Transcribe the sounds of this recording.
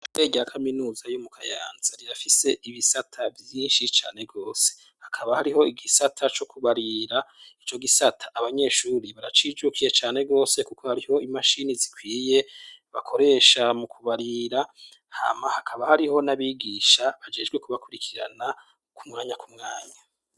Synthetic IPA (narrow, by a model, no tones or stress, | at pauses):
ɾe̞ːɡeɾakʰaminuːzajumukʰaja̰ːnzaɾiɾafise̞iβisatʰavjiːnʃit͡ʃa̰ːne̞ɡo̞ːse̥ | hakʰaβahaɾiho̞iɡisatʰat͡ʃo̞kʰuβaɾiɾait͡ʃo̞ɡisatʰḁʔːβaɲe̞ːʃuːɾiβaɾat͡ʃid͡ʒukʰije̞t͡ʃaːne̞ɡo̞ːse̞kuko̞haɾiho̞imaʃinizikwiːje̞βakʰo̞ɾe̞ːʃamukʰuβaɾiɾa | ha̰mahakʰaβahaɾiho̞naβiːɡiʃaβad͡ʒe̞ːd͡ʒɡwe̞kuβakuɾikʰiɾa̰na | kumŋaːɲakumŋaːɲa